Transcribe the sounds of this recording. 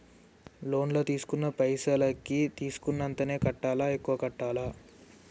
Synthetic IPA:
lo̞ːnloːt̪iːsu̥kunːɐpɐjsaːlɐkit̪iːsu̥kunːɐnt̪ɐne̞ːkɐʈːaːlaːekːuʋɐkɐʈːaːlaː

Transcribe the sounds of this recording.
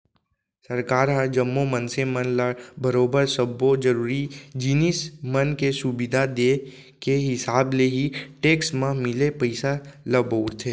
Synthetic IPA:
sɐɾkaːɾɦəɾd͡ʒɐmːomənsemənləbɐɾoːbəɾsəbod͡ʒɐɾuːɾid͡ʒiːnismənkesubɪd̪ʱad̪e | keɦɪsaːbleɦiʈeːksmãmɪlepəɪsaləboːɾt̪ʰeː

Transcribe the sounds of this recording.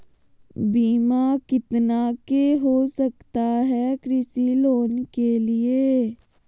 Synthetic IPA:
biːmakɪt̪nakeɦosɐkt̪aɦɛkɾɪsiloːnkelieː

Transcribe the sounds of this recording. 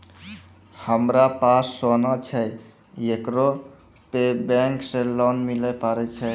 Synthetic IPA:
həmɾapasːonat͡ʃʰɛj | ekɾo | pebẽŋksẽlɔnmilɛpaɾɛt͡ʃʰɛ

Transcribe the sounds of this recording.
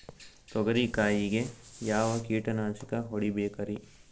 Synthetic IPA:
t̪oɡɐɾikaːjiɡejaːʋakiːʈɐnãːt͡ʃikaɦoɽibeːkɐɾi

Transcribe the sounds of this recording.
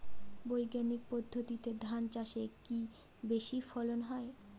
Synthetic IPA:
bojɡanik̚pod̪ʱːot̪it̪ed̪ʱant͡ɕaʃeki | beʃifɔlonɦɔe

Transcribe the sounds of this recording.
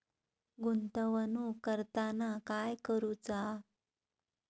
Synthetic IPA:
ɡunt̪əʋənukəɾt̪anakajkəɾut͡sa

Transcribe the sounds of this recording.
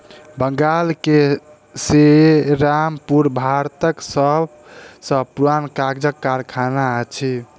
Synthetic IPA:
bəŋɡalke | seɾampuɾbʱaɾt̪əksəb | sə̃puɾankaɡd͡ʒəkːaɾkʰanaət͡ʃʰi

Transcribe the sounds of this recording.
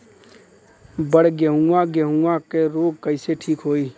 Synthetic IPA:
bəɽɡjəɦuaɡəɦuãkeɾoːɡ̚kəɪseʈʰiːkɦoːiː

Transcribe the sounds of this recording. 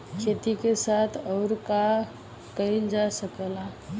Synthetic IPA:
kʰet̪ikesat̪ʰəʊɾka | kəɾind͡ʒasəkəla

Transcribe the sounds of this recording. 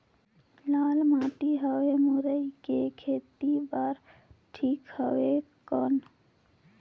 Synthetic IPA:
laːlmaːt̪iɦəwemuɾəikekʰeːt̪ibaːɾʈʰiːkhəwe | kən

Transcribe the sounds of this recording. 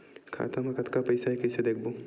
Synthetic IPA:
kʰa̰ːt̪ɐmɐkɐt̪kapɐɪsaɦɛkɛsed̪eːk̚ʰbo

